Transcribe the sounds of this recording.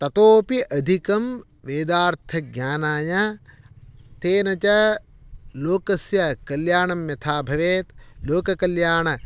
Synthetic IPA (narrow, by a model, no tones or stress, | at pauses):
t̪ɐt̪oːpiʔɐd̪ʱikɐm | ʋeːd̪aːɾt̪ʰɐɡjaːnaːjɐ | t̪eːnɐt͡ʃɐ | loːkɐsjɐkɐljaːɳɐmjɐt̪ʰaːbʱɐʋeːt̪loːkɐkɐljaːɳɐ